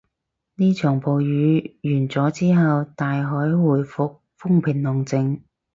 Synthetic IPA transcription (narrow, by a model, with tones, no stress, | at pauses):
niː˥t͡ʃʰœː˨˩ŋpo˨˧wjyː˨˧˥jyː˨˩nt͡sɔː˨˥t͡siː˥ɦɐ˨wt̪aː˨jɦɔː˨˥jwuː˨˩jfʊ˨k̚fʊ˥ŋpʰɪ˨˩nlʊ˨˩ŋt͡sɪ˨˧ŋ